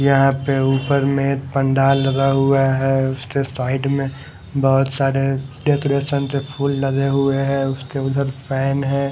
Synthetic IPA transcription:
jɐɦãpeuːpəɾmẽpə̃ɳɖaːlːɐɡ̪aɦuaɦɛːʊskesaːɪɖmẽ | bɔɦʊt̪saːɾeɖeːkoɾeːʃənt̪epʰuːlːɐd̪eɦueɦɛ̃ːʊskeʊd̪ʱəɾpʰɛːnɦɛː

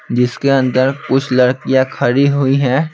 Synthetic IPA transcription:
d͡ʒɪskeɐ̃nd̪əɾkʊt͡ʃʰlɐɽkijãkʰɐɾiɦʊiɦɛː

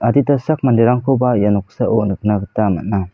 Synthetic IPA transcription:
aditasak̚mandeɾaŋkʰobajanɔk̚saʔonɯk̚naɡɯtama̰t̚na

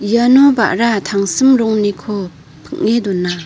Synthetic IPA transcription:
janɔba̰ʔɾat̪ʰaŋsɯmɾɔŋnikʰɔ | pʰɯk̚ŋedɔnːa

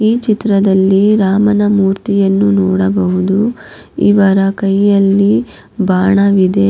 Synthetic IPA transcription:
iːt͡ʃit̪ɾɐd̪ɐlːiɾaːmɐnɐmuːɾt̪ijɐnːunɔːɽɐbɐɦud̪u | ḭʋɐɾɐkɐjːɐlːi | baːɳɐʋid̪e

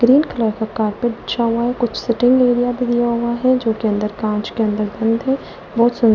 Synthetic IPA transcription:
ɡɾiːnkʰɐlaːɾkakaːɾpeɐʃʰaɦʊaɦɛkʊt͡ʃʰsɪʈɪ̃ŋɡeːɾijabʱid̪ijaɦʊaɦɛd͡ʒoːkeɐ̃nd̪əɾkãːt͡ʃkeɐ̃nd̪əɾɡɐ̃nd̪ɦɛ̃ | bɔːt̪sʊn

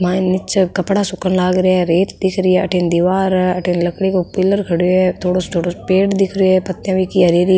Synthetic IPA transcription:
mãːnɪt͡ʃkɐpɽasʊkənlaːɡɾɪjaɾeːt̪d̪ɪkʰɾiaɐʈend̪iʋaːɾɐʈʰenlɐkɽikopɪlːəɾkʰɐɽiet̪ʰoːɽost̪ʰoːɽopeːʈd̪ɪkʰɾiepɐt̪ːjãʋikiɐɾeɾi

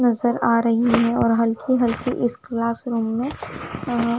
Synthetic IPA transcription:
nɐzəɾaːɾɐɦiɦɛ̃ɔːɾɦɐlkʰiɦɐlkiʔɪsklaːsɾũːmːẽ

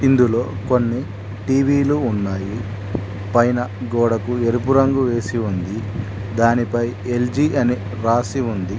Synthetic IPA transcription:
ind̪ulo̞ːko̞nːi | ʈiːʋiːluːnːaːji | pɐjnɐɡɔːɽɐkue̞ɾup̬uɾɐŋɡuʋe̞ːsiund̪i | d̪aːnipɐjeld͡ʒiʔɐni | ɾaːsiund̪i

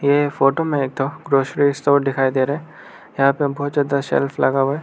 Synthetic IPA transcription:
jefoːʈomẽeːk̚t̪oɡɾoːʃɾist̪oːʈd̪ɪkʰaːid̪eːɾɦɛ̃ | jɐɦãːpebɔɦʊt̪zaːd̪aʃɛ̰lflɐɡaɦuɛː

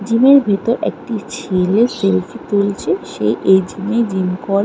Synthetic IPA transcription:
d͡ʑimeɾbʱet̪oɾḛk̚ʈit͡ɕʰeleselfit̪ult͡ɕʰeʃḛʔed͡ʑimed͡ʑimkɔɾ

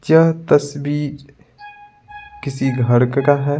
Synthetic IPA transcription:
t͡ʃɐɦt̪ɐsbiːɾ | kɪsiɡʱɐɾkkaɦɛ

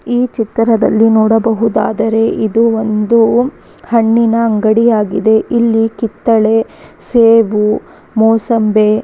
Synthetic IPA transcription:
iːt͡ʃit̪ːɐɾɐd̪ɐ̰lːinɔːɽɐbɐɦud̪a̰ːd̪ɐɾe̞ʔid̪uond̪u | hɐɳːinɐːŋɡɐɽijaːɡid̪e̞ʔilːikit̪ːɐɭe̞ | seːʋu | mɔːsɐmbe

